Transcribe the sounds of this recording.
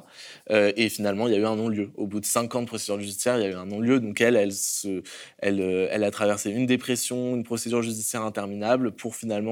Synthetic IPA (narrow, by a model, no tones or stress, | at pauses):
øefinalmɑ̃iljayɛ̃nɔ̃ljøobud̪əsɛ̃kɑ̃d̪əpχɔsed̪yʁʒyd̪isjɛʁiljayɛ̃nɔ̃ljød̪ɔ̃kɛlɛlsəɛ̰løɛ̰lat̪χavɛʁseynd̪epχesjɔ̃ynpχɔsed̪yʁʒyd̪isjɛʁɛ̃t̪ɛʁminablpʰuʁfinalmɑ̃